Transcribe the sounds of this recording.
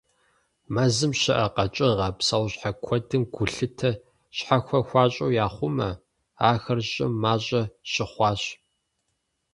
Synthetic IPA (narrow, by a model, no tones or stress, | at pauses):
mɐzɨmʃɪʔɐqɐt͡ʃʼɪʁɐpsɐwɕħakʷʰɔdɨmɡʷʊɬɨtʰɐ | ɕħaxʷɐxʷɑːɕʼowjaːχʷʊmɐ | aːxɐrɕʼɪ̰mːaːɕʼɐɕɪχʷɑːɕʼ